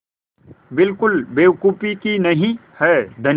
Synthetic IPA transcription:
bɪlkʊlbeːkuːpikinɐɦĩhɛːd̪ʱɐn

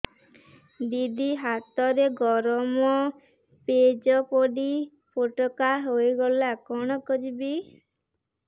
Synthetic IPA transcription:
d̪id̪iɦat̪ɔɾeɡɔɾɔmɔ | ped͡ʒɔpoɖi | poʈɔkaɦojɡɔlakɔɽ̃ɔkɔd͡ʒibi

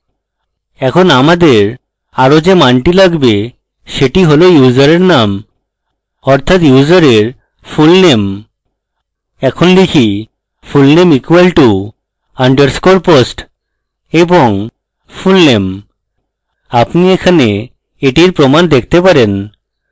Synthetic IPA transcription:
ɛkʰonamad̪eɾ | aɾod͡ʑemaɳʈilaɡbe | ʃeʈiɦolojuzaɾeɾnam | ɔɾt̪ʰat̪juzaɾeɾ | fulnem | ɛkʰonlikʰi | fulnemikwalʈu | aɳɖəɾskoɾposʈ | eboŋ | fulnem | apniekʰane | eʈiɾpɾomand̪ek̚ʰt̪epaɾen

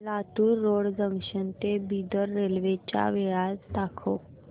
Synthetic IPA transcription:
lat̪uːɾːoɽd͡zəŋkɕənt̪ebid̪əɾːelʋet͡ɕa̰ʋeɭast̪akʰo̰

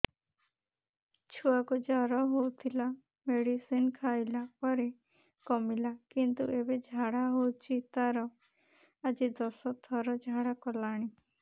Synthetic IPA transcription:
t͡ʃʰuakud͡ʒɔɾɔɦowt̪ʰila | meɽisinkʰajlapɔɾe | kɔmilakint̪uʔebed͡ʒʱaɽaɦowt͡ʃʰit̪aɾɔ | ad͡ʒid̪ɔsɔt̪ʰɔɾɔd͡ʒʱaɽakɔlaɽ̃i

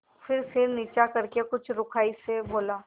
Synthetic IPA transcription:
fɪɾsɪɾniːt͡ʃakɐɾkekʊt͡ʃʰɾʊkʰaːiseboːlaː

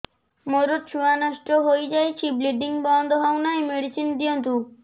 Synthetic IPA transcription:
moɾot̚t͡ʃʰuanɔʃʈoɦojd͡ʒajt͡ɕʰibliɖiŋbɔnd̪ʱɔɦɔwnajmeɽisʰind̪iont̪u

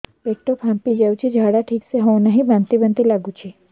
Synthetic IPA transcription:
peʈopʰãmpid͡ʒaũt͡ʃʰed͡ʒʱaɽaʈʰikseɦɔw̃nəɦĩbãnt̪ibənt̪ilaɡũt͡ʃʰe

